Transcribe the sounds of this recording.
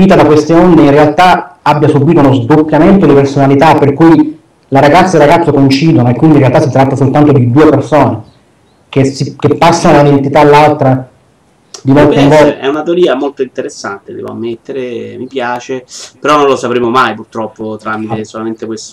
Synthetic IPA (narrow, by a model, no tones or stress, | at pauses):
iːt̪ad̪akwest̪eond̪einrealt̪aabːjasubːiːt̪ounozd̪opːjament̪od̪ipersonalit̪apːerkuj | laɾaɡat̪sːelrːaɡat̪sːokoint͡ʃiːd̪onoekːwind̪inrealt̪asːit̪ɾat̪ːasolt̪ant̪od̪id̪uːepersoːne | kesikepːasːanod̪aunid̪ent̪it̪alːalt̪ɾa | d̪imolkemvɔɛ̰unat̪eoɾiːamolt̪oint̪eɾesːa̰nt̪ed̪ɛ̰vo̰a̰mːet̪ːeɾemipjaːt͡ʃepeɾɔnːõnlosapɾemomajpurt̪ɾɔpːot̪ɾamit̪esolament̪ekwest̪